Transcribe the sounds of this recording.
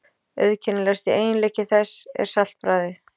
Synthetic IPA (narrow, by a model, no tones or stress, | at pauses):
œ̰ðcʰɛnːɪlɛst̪ieːjɪnleːcɪθɛsːɛ̰ɾ̥sal̥t̪̚pɾaːjðɪ